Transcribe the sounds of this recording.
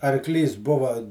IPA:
ɐrˈklʲiːs ˈbʊʋɐ

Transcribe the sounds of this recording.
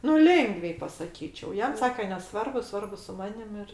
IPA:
nʊ ˈlʲeːŋɡʋʲɛɪ pɐsɐˈkʲiːt͡ʃʲɛʊ ˈjɛm ˈsɑːkʲɛ nʲɛˈsʋɐrbʊ ˈsʋɐrbʊ sʊ ˈmɑːnʲɪm ɪr

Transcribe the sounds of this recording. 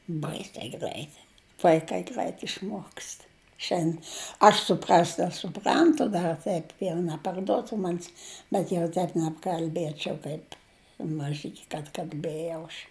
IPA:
ˈbɐɪsʲɛɪ ˈɡrʲæɪt ʋɐɪˈkɐɪ ˈɡrʲæɪt ɪʃˈmuɔkst ˈʃʲɛn ˈɐʃ sʊˈprɐsʲtʲ ɐʃ sʊˈprɐntʊ ˈdɐr ˈtʲɛɪp jɛʊ nʲɛpɐrˈduɔtʊ ˈmɑːnʲɪs bʲɛt jɛʊ ˈtʲɛɪp nʲɛpkɐlʲˈbʲiɛt͡ʃʲɛʊ ˈkɐɪp mɐˈʒʲɪkʲɪ kɐt kɐlʲˈbʲeːjɛʊ ɐʃ

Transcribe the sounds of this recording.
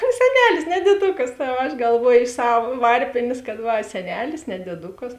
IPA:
sʲɛˈnʲæːlʲɪs nʲɛ dʲiɛˈdʊkɐs oː ɐʃ ɡɐlˠˈʋuɔjʊ ɪʃ ˈsɐw ˈʋɐrʲpʲeːnʲeːs kɐt ˈʋɐ sʲɛˈnʲæːlʲɪs nʲɛ dʲiɛˈdʊkɐs

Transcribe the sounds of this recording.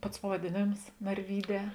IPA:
ˈpɐts pɐʋɐdʲeːˈnʲeːms nɐrʲˈʋʲiːˌdʲɛː

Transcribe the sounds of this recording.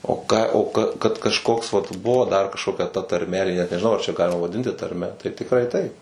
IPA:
oː kɑː oː ˈkɐ kɐt kɐʃˈkoːks ʋɐt ˈbʊʋoː dɐr kɐʃkoːˈkʲɛ tɐ tɐrʲˈmʲɛ nʲɛʒʲɪˈnɐʊ jæː ɐr t͡ʃʲɛ ˈɡɑːlʲɪmɐ ʋɐˈdʲɪnʲtʲɪ tɐrʲˈmʲɛ tɐɪ tʲɪkˈrɐɪ ˈtɐɪp

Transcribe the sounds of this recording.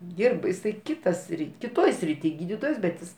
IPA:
ˈdʲiːrbɐ jɪˈsɐɪ ˈkʲɪtɐ ˈsʲrʲɪtʲ kʲɪˈtoːj sʲrʲɪˈtʲiː ˈɡʲiːdʲiːtoːjɛs bʲɛt ˈjɪs

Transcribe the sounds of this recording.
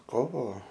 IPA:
ˈkoːʋoː

